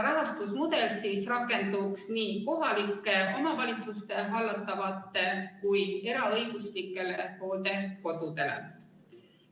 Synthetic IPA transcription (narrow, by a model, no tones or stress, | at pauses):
ɾɑɦɑst̪usmud̪e̞lsiːsrɑkːˑe̞nd̪̥uksniːko̞ɦɑlikːˑe̞o̞mɑvɑlʲit̪sust̪e̞ɦɑlːɑt̪ːˑɑvɑt̪ːˑe̞kuje̞ɾɑɤjɡ̥uslikːˑe̞leho̞ːld̪e̞ko̞d̪̥ud̪e̞lḛ